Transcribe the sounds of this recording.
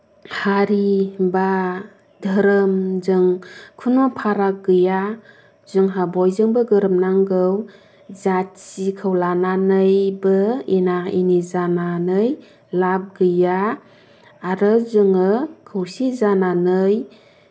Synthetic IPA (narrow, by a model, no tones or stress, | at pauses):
haɾiba | dʱɯɾɯmzɯŋkʰunɔpʰaɾak̚ɡɯja | zɯŋɦabɔjzɯŋbɯɡɯɾɯmnaŋɡɯw | zasikʰɯwlananɯjbɯinaḭnizananɯj | lab̚ɡɯjaː | ɾɯzɯŋɯkʰɯwsizananɯj